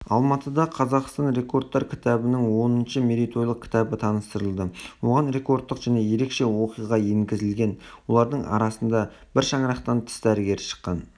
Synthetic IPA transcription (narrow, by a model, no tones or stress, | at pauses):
ɑlˠmɑt̪əd̪ɑqʰɑzɑqst̪ɑnɾe̞ko̞rd̪̚ːɑɾkʲʰɪ̥t̪ɑbɪnɪŋwo̞nənʃəme̞ɾijt̪ʰo̞jlˠəq̚kʲʰɪ̥t̪ɑbət̪ʰɑnəst̪əɾəlˠd̪əwo̞ʁɑnɾe̞ko̞rt̪ːəqʒ̥æne̞je̞ɾe̞kʃe̞wo̞qijʁɑjeŋɡʲɪzɪlɡʲe̞nwo̞lˠɑɾd̪əɴɑ̰ɾɑsənd̪ɑ | b̥ɪɾʃɑɴɾɑqt̪ɑnt̪ʰɪ̥st̪æɾɪɡʲe̞ɾɪʃə̥qːɑn